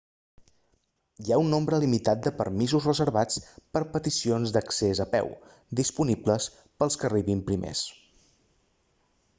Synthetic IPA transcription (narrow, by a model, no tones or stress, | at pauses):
iaunːombɾəlimit̪at̪̚d̪əpə̰ɾmizuzrəzəɾβat͡spəɾpət̪isionzd̪əksezəpɛ̰w | d̪ispunibləs | pəlˠskəriβimpɾimḛs